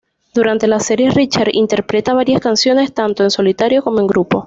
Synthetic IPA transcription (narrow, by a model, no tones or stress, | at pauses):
d̪̥uɾant̪e̞lase̞ɾje̞rit͡ʃaɾḭnt̪e̞ɾpɾe̞t̪aβ̞aɾjaskansjo̞ne̞st̪ant̪o̞e̞nso̞lit̪aɾjo̞ko̞moe̞ŋɡɾupo̞